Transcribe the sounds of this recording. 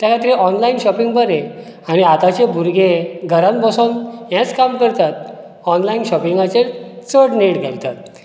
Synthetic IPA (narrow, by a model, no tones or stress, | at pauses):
t̪jakʰat̪ɾiʔɔnlainɕɔpiŋɡbəɾẽ | añiat̪at͡ɕebʱuɾɡeɡʱəɾãmbɔsonɦjɛ̃t͡skamkəɾt̪at̪̚ | ɔnlainɕɔpiŋɡat͡ɕet͡səɽneɽɡʱelt̪at̪̚